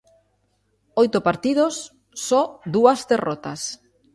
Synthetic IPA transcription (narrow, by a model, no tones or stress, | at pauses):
ojt̪ʊpaɾt̪iðosː | ɔd̪uɐzd̪erɔt̪ɐ̰s